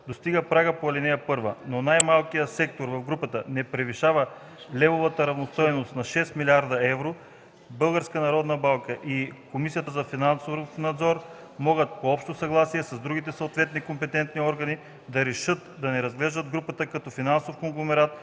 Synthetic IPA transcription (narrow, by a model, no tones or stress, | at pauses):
d̪ost̪iɡəpɾaɡəpoɐlinɛjəpɤɾvə̰nonajmalˠkijəsɛk̚t̪oɾvɐvɡɾupət̪ənɛpɾɛviʃavə | lɛvovɐt̪əɾɐvnost̪ɔjnost̪nɐʃɛst̪milʲiaɾd̪ɐɛvɾo | bɤlˠɡəɾskənɐɾɔd̪nəbalˠkəʔikomisijət̪əzɐfinansofnɐd̪zɔɾ | mɔɡət̪̚poɔpʃt̪osɐɡlˠasiɛsɐzd̪ɾuɡit̪ɛsɐot̪vɛt̪nikompɛt̪ɛnt̪niɔɾɡɐni | d̪ɐɾɛʃɤt̪d̪ɐnɛɾɐzɡlɛʒd̪əd̪ɡɾupət̪əkɐt̪ɔfinansofkoŋɡlˠomɛɾat̪̚